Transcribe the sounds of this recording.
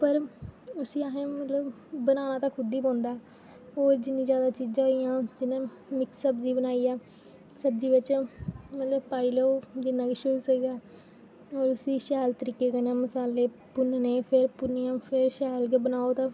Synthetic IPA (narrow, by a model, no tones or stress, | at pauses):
pəɾʊsĩːaɦẽːmət̪ləb | bənaːnãːt̪ãːkʰʊd̪iːbõːnd̪aː | ɦoːɾd͡ʒɪnːĩːzjaːd̪aːt͡ʃiːd͡ʒãːɦoiːjãːd͡ʒɪnẽː | mɪksːəbziːbənaːiːɛː | səbd͡ʒiːʋɪt͡ʃmət̪ləbpaːiːləod͡ʒɪnːãːkiʃʊsəɡɡ̪aː | ɔːɾʊsiːʃɛːlt̪əɾiːkeːkənẽːməsaːleː | pʊnneːpʰɪɾpʊnijãːpʰɪɾʃɛːlkebənaːoːt̪ãː